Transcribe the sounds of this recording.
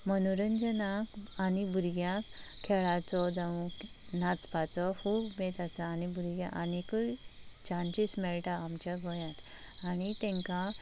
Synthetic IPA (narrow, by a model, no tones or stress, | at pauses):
mənuɾənd͡zənãkanibʱuɾɡjãkʰːɛɭat͡sɔd͡zaʋũk | nat͡spat͡sɔhuːbmet̪at͡saːnibʱuɾɡjã̰ʔanikə | t͡ɕant͡ɕismɛɭʈaːmt͡ɕaɡʱɔjãt̪ | anit̪ɛ̃ŋkã